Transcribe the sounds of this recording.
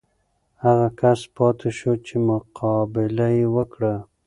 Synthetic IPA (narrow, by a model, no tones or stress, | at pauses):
haɣakʰaspɑt̪ʰeʃot͡ʃemʊqʰɑbɪlajewəkɽa